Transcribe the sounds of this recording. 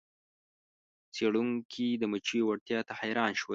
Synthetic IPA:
t͡seɽuŋkʰid̪əmət͡ʃijwaɽt̪jɑt̪ahajɾɑnʃwə

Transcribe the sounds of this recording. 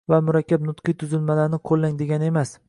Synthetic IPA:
vamʊɾakʲːabnʊt̪qʰɨjt̪ʰʊzɪlmalaɾnɪqʰolːaŋd̪e̞ɡʲanɪe̞mas

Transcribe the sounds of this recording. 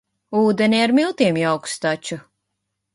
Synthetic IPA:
uːd̪ɛnʲiaɾmilˠt̪iɛmjawkst̪at͡ʃu

